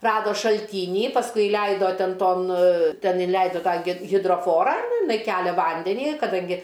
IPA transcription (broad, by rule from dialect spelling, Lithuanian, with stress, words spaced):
ˈrɑːdoː ʃɐlʲˈtʲiːnʲiː pɐsˈkʊɪ ɪˈlʲɛɪdoː ˈtʲɛn ˈtoːn ˈtʲɛn ɪˈlʲɛɪdoː ˈtɑː ɡʲɪ ɣʲɪdroːˈfoːrɑː nʊ ɪˈnɐɪ ˈkʲæːlʲɛ ˈʋɐnʲdʲɛnʲiː kɐˈdɐŋʲɡʲɪ